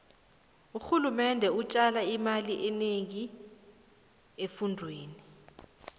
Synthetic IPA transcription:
uxulumɛndʱɛut͡ʃʼalaimaliʔɛneŋi | efundʱweːni

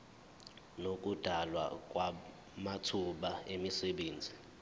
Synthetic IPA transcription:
nok̬ʼud̥ʱalwa̰k̬ʼwa | matʰuɓaemisɛɓeːnd͡zʱi

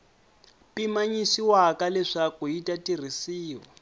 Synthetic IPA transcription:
pʼimaɲisiwakalɛʂakuitʼatir̤isiːwɔ

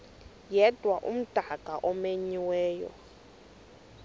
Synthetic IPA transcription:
jɛd̥ʱwaʔṵm̩d̥ʼʱakʼaʔɔmeɲiwɛːjɔ̰

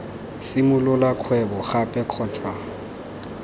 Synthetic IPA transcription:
sɪmʊlʊlakʰwɛbɔχapʼɛq͡χʰɔːt͡sʼa

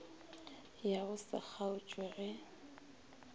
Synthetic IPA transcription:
jaɣʊsa̰k͡xʰaʊt͡ʃʼwɛɣɛ

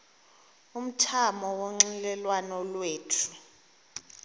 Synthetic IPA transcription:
um̩tʰamɔwoŋ͡ǀilɛlwanɔlweːtʰu

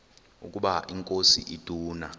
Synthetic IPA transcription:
ṵk̬ʼuɓaʔiŋkʼosḭʔid̥ʱuːna

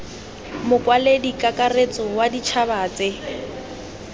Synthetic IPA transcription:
mʊkʼwaledikʼakʼaret͡sʼɔwadit͡ʃʰabaːt͡sɪ

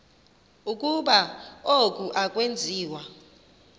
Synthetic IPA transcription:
ukʼuɓaok̬ʼuʔak̬ʼwend͡zʱiːwa

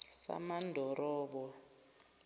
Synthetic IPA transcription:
sa̰mandʱɔɾɔːɓɔ

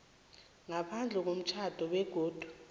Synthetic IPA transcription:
ŋapʰand͡ɮʱɛk̬om̩t͡ʃʰad̥ʱɔɓɛɡ̥ʱoːd̥ʱu̥

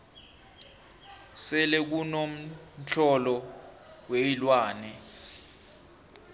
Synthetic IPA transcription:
sɛlɛk̬unom̩ɬʰɔlɔ | weilwaːnɛ

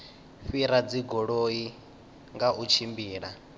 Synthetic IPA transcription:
ɸiɾad͡ziɡɔɺoi | ŋɡaʔut͡ʃʰimbiːɺa

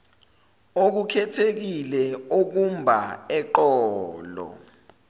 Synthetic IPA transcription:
ok̬ukʰɛtʰek̬ilɛok̬umbʱa̰ɛǃɔːlɔ̰

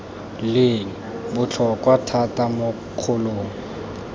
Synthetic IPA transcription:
lɪŋ̩ | bʊt͡ɬʰɔkwatʰatʼamʊ | q͡χʰʊloːŋ̩

